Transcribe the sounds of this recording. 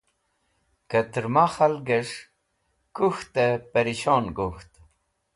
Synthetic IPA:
kət̪ɾmaχalɡəʂ | kuxt̪əpəɾiɕonɡuxt̪

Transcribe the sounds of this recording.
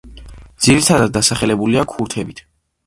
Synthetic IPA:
d̪z̥iɾit̪ʰad̪ad̪̚ːasaχɛlɛbuliakʰuɾt̪ʰɛbit̪ʰ

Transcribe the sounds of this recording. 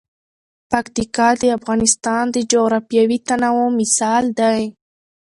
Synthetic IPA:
pakt̪ikɑd̪əafɣɑnɪst̪ɑnd̪əd͡ʒoɣɾafjawit̪anawomɪsɑld̪aj

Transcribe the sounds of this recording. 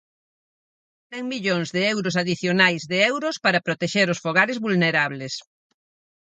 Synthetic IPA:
t̪ɛŋmiʎoŋzðeɛwɾʊsaðiθjonajzðeɛwɾʊspaɾɐpɾot̪eʃeɾʊsfoɣaɾɪzβulneɾaβlɪs

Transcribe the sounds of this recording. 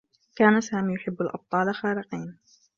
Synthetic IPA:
kaːnasaːmiːjʊħɪbːalʔɑ̰b̚t̪ˤɑːlaxaːɾɪqiːn

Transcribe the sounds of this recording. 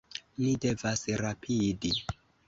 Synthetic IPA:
nide̞vasɾapʰidi

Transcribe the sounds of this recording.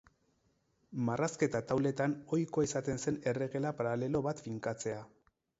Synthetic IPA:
maraske̞t̪at̪awle̞t̪ano̞jko̞esat̪e̞nse̞ne̞re̞ɣe̞lapaɾale̞lo̞βat̪fiŋkat͡se̞a

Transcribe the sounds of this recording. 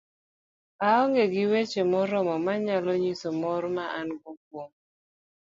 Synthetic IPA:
aɔŋɡeɡɪwet͡ʃemɔɾɔmɔmaɲalɔɲisomɔɾmaʔanɡok̚woŋ

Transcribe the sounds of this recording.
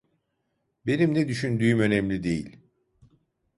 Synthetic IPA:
be̞nimnɛd̪yʃynd̪yːymønɛmlʲid̪ḛjḭlʲ

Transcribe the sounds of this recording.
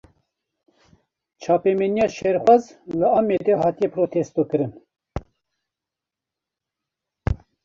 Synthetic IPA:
t͡ʃʰɑːpemenijɑːʃeɾxʷazlɨɑːmed̪ɛhɑːt̪ijɛpʰɾoːt̪ʰest̪oːkɨɾɨn

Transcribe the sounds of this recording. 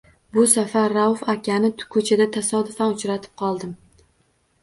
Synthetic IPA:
bʊsafaɾːawfakʲʰanɪt̪kʰɵt͡ʃʰad̪at̪ʰasɒd̪ʊfanʊt͡ʃɾat̪ʰɪ̥p̚qʰɒlˠd̪ɪm

